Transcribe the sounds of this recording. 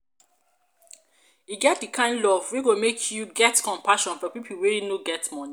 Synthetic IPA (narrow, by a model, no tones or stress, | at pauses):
iɡɛt̚dikʰãɪ̃ndlɔvwiɡomekʰjuɡɛtkɔ̃mpʰaʃɔ̃nfɔpipʰul̩wejinoɡɛtmɔni